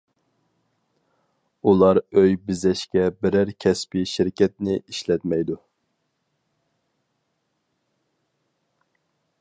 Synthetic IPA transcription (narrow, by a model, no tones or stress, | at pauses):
ulˠɑɾøjbɪzɛʃkʲɛbɪɾæɾkʲʰɛspiʃɪɾkʲʰɛt̪̚nɪʔiʃlɛt̪mɛjd̪u